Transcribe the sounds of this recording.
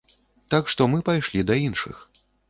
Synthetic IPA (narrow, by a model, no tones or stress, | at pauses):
t̪akʂt̪ɔmɨpajʂlʲid̪ɐinʂɨ̰x